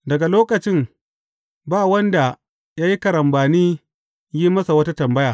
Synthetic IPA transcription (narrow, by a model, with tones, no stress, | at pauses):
dɐ˨ɡa˨loː˦kɐ˨t͡ʃɪ˦m | baː˦wɐ˦nda˨ | jaː˦ji˦kɐ˨ɾɐ˨mbaː˨niː˦ | jiː˦mɐ˦sa˨wɐ˦ta˦tɐ˨mbɐ˦jaː˨